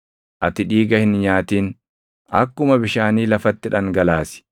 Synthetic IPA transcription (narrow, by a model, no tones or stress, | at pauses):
ʔɐt̪ɪᶑiːɡɐhɪnɲaːt̪iːn | ʔɐkːʊmɐbɪʃaːniːlɐfɐt̪ːɪᶑɐŋɡɐlaːsɪ̥